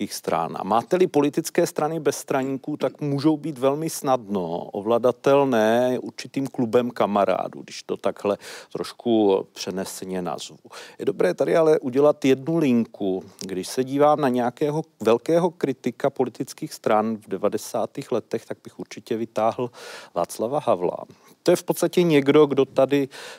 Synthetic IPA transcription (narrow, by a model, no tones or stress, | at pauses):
iːxst̪ɾa̰na̰maːt̪ɛlɪpo̞lɪt̪ɪt͡skɛːst̪ɾanɪbɛsːt̪ɾaɲiːkuːt̪akmuːʒowbiːt̪vɛlmɪsnadno̰ʔo̰vladat̪ɛlnɛːjɛʔuɾt͡ʃɪt̪iːmklubɛmkamaɾa̰ːdṵɡdɪʃt̪o̞t̪aɡɦlɛt̪ɾo̞ʃkʰupr̝̥ɛnɛsɛɲɛna̰zvujɛ̰do̞bɾɛːt̪adɪalɛʔuɟɛlat̪jɛdnulɪŋkuɡdɪʃsɛɟiːvaːmnaɲɛjakɛːɦovɛlkɛːɦo̞kɾɪt̪ɪkapo̞lɪt̪ɪt͡skiːxst̪ɾanvdɛvadɛsaːt̪iːxlɛt̪ɛxt̪aɡ̚bɪxuɾt͡ʃɪcɛvɪt̪aːɦl̩va̰ːt͡slavaɦavla̰ | t̪ojɛfpo̞t̪st̪acɛɲɛɡdo̞ɡdo̞t̪adɪ